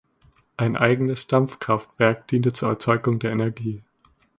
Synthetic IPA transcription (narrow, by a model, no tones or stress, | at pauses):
ʔaɪnʔaɪɡənəsʃd̥amp͡fkʁ̥aftv̥ɛɐk̚d̥iːntət͡suːɐɛ̰ɐt͡sɔʏɡʊŋdeːɐʔenɛɐɡiː